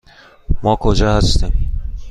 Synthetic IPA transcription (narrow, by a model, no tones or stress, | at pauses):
mɒkʰod͡ʒahat̪ɪm